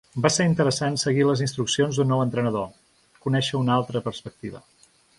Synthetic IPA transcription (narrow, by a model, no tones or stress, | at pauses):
baseɾint̪əɾəsansəɣiləzinst̪ɾuksionzd̪unːɔwənt̪ɾənəðo | kunɛʃəunalˠt̪ɾəpəɾspək̚t̪iβ̞ə̰